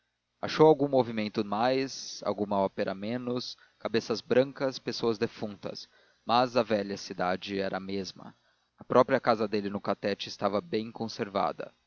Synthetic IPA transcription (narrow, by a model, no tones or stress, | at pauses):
a̰ʃowawɡũmovimẽnt̪ʊmajsa̰wɡũmɐɔpeɾʔɐmẽnʊs | kabesɐzbɾɐ̃ŋkɐspesoɐzd̪efũnt̪ɐ̰s | mɐzɐvɛʎɐsid̪ad͡ʒɪɛɾʔɐmezmɐ̰ | ɐpɾʔɔpɾiɐkazɐd̪elɪnʊkat̪ɛt͡ʃɪɪst̪avɐbẽj̃kõseɾva̰d̪ɐ̰